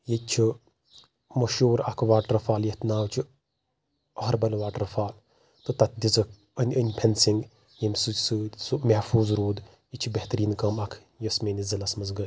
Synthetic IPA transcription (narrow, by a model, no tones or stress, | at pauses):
jit͡ʃʰu | mɐʃuːɾɐkʰʋaːʈɾɐfaːljɐt̪naːwt͡ʃʰu | ɐɦɐɾbɐlʋaːʈɾɐfaːl | t̪ɨt̪ɐt̪̚d̪ʲizɨk | ənʲənʲpʰensiŋɡ | jɐmʲsɨsɨsumehfuːzɾoːd̪ | jit͡ʃʰubeht̪ɐɾiːnkɐmɐkʰ | jɐsmenʲizɐlɐsmɐzɡəlʲ